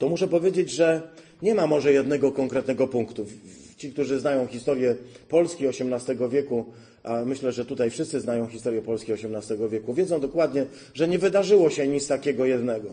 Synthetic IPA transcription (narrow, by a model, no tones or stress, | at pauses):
t̪ɔmuʂɛpɔvʲjed͡ʑed͡ʑʐɛ | ɲɛmamɔʐɛjɛd̪nɛɡɔkɔŋkɾɛt̪nɛɡɔpuŋkt̪ut͡ɕikt̪uʐɘznajɔ̃w̃xʲist̪ɔɾjɛpɔlskʲiɔɕɛmnast̪ɛɡɔvʲjɛku | ʔamɘɕlɛʐɛt̪ut̪ajfʂɘst̪sɘznajɔ̃w̃xʲist̪ɔɾjɛpɔlskʲiɔɕɛmnast̪ɛɡɔvʲjɛkuvʲjɛd̪zɔ̃w̃d̪ɔkwad̪ɲɛ | ʐɛɲɛvɘd̪aʐɘwɔɕɛɲist̪akʲɛɡɔjɛd̪nɛɡɔ